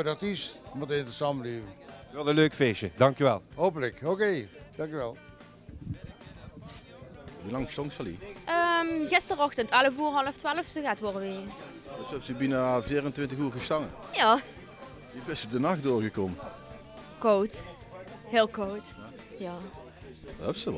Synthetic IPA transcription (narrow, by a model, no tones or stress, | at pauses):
dɑtismətɪntəsɑmbəliːvənʋɛlˠəløːkfeːʃədɑŋkjyʋɛlˠɦowp̬ələkɦoked̥ɑŋkjyʋɛlˠ | ʋulɑŋstɔŋsɑlḭʔəmɣɪstərɔxtəntɑləvuːrɦɑləftʋaːləfsəɣaːtʋoɹəʋɪː | dəsɛp̚tybinaviːrəntʋɪntəɣuːɹɣəstɑŋəjaː | ibɪsədənɑxdoːɹɣəkɔmə | kowt | hɪːlˠkowt | jaː | ɛpsəʋ